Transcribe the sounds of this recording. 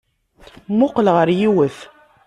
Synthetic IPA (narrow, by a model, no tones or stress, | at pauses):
mʊqlʁəɾjiwəθ